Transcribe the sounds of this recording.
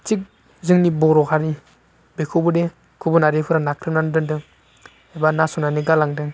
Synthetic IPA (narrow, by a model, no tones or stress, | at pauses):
t͡ʃik̚ | zɯŋnibɔɾɔkʰaɾi | bekʰubude | kʰubunaɾepʰɯɾanakʰɾɯnandɯndɯŋ | ebanasɔnaniɡalaŋdɯŋ